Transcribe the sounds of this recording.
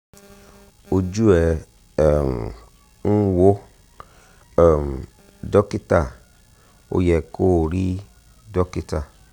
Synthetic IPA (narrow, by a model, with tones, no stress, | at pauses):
o˧d͡ʒu˦ɛ˨ | m | ŋ̩˦wo˦˨ | m | dɔ˦ki˦ta˨ | o̰˧jɛ˨ko˦˨ɾi˦ | dɔ˦ki˦ta˦˨